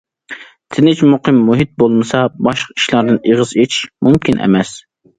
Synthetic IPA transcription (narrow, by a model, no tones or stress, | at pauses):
t̪ʰɪnɪt͡ʃmuqʰɨmːuɦit̪̚bolˠmɨsɑbɑʃqi̥ʃlˠɑɾd̪ɨneʁəzet͡ʃʰʃmumkʲinʔɛ̰mɛs